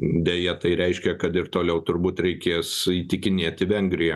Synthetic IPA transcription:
d̪ʲejɛt̪ɐɪɾʲɛɪʃʲkʲɛkɐt̪ɪɾt̪oːlʲɛʊt̪ʊɾbuːt̪ɾʲɛɪkʲeːsiːt̪ʲɪkʲɪnʲeːt̪ʲɪʋʲɛŋɡɾʲɪjɛ

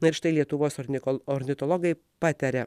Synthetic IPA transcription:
nʊɪɾʃt̪ɐɪlʲiɛt̪ʊʋoːsɔnʲɔɾʲnʲɪt̪ɔlˠɔɡɐɪ | pɑːt̪ʲɛɾʲɛ

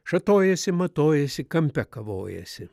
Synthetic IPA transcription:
ʃɐt̪oːjɛsʲɪmɐt̪oːjɛsʲɪkɐmʲpʲɛkɐʋo̰ːjɛ̰sʲɪ

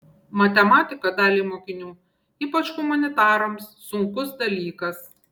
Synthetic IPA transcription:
mɐt̪ʲɛmɑːt̪ʲɪkɐd̪ɑːlʲiːmoːkʲɪnʲuː | iːpɐt͡ʃhʊmɐnʲɪt̪ɑːɾɐmsːʊŋkʊsd̪ɐlʲiːkɐs

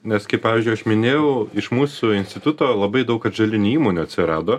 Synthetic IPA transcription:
nʲɛskɐɪppɑːʋʲiːzʲd͡ʒʊɪɐʃmʲɪnʲeːjɛʊɪʃmuːsʊɪnsʲt̪ʲɪt̪ʊt̪oːlˠɐbɐɪd̪ɐʊkɐʒʲɐlʲɪnʲɪiːmoːnʲuɐt̪ʲsʲɪɾɑːd̪oː

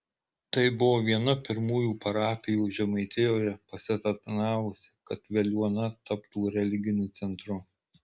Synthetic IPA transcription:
t̪ɐɪbʊʋoːʋʲiɛnʊpʲɪɾmuːjuːpɐɾɑːpʲɪjuːʒʲɛmɐɪt̪ʲɪjoːjɛpɐsʲɪt̪ɐt̪ʲɪnɑːʋʊsʲɪ̥kɐt̪ʋʲɛlʲuɔnɐt̪ɐpt̪uːɾʲɛlʲɪɡʲɪnʲuːt̪sʲɛnt̪ɾʊ

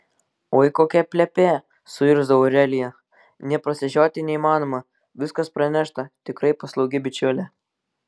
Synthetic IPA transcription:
oːɪkoːkʲɛpʲlʲɛpʲeː | sʊɪɾzd̪ɐʋoːɾʲæːlʲɪjɛ | nʲɛpɾɐsʲɛʒʲoːt̪ʲɪnʲɛiːmɑːnoːmɐ | ʋʲɪskɐspɾɐnʲæʃt̪ɐt̪ʲɪkɾɐɪpɐslˠɐʊɡʲɪbʲɪt͡ʃʲʊːlʲɛ

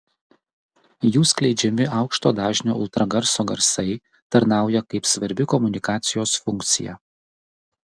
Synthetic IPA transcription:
juːsklʲɛɪd͡ʒʲɛmʲɪɑʊkʃt̪oːd̪ɑːʒʲnʲo̰ːʊlˠt̪ɾɐɡɐɾsoːɡɐɾsɐɪ | t̪ɐɾn̪ɑˑʊjɛkɐɪpsʋɐɾʲbʲɪkɔmʊnʲɪkɑːt̪sʲɪjoːsfʊŋkt̪sʲɪ̰jɛ̰

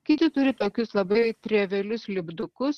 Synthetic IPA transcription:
kʲɪt̪ʲɪt̪ʊɾʲɪt̪oːkʲʊslˠɐbɐt̪ʲɾʲɛʋʲɛlʲʊslʲɪbd̪ʊkʊs

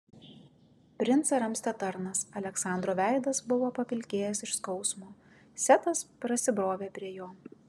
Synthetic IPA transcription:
pʲɾʲɪnt̪sɐɾɐmsʲt̪ʲɛt̪ɐɾnɐsɐlʲɛksɑˑnd̪ɾoːʋʲæˑɪd̪ɐsbʊʋoːpɐpʲɪlʲkʲeːjɛsɪʃskɒʊsmoː | sʲɛt̪ɐspɾɐsʲɪbɾoːʋʲeːpʲɾʲiɛjoː

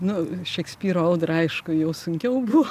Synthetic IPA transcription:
nʊʃʲɛksʲpʲiːɾoɐld̪rɐɪʃkʊjɛʊsʊŋʲkʲɛʊbuʋo

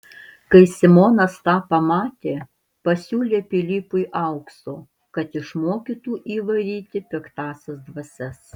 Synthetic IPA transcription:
kɐɪsʲɪmoːnɐst̪ɑːpɐmɑːt̪ʲeː | pɐsʲuːlʲeːpʲɪlʲiːpʊjʔɐʊksoː | kɐt̪ɪʃmoːkʲiːt̪uːʔiːʋɐɾʲiːt̪ʲɪpʲɪkt̪ɑːsʲɛsd̪ʋɐsʲɛs

